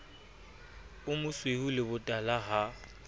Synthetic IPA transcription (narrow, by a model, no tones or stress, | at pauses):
ʊmʊswehulɪbʊtʼalaɦa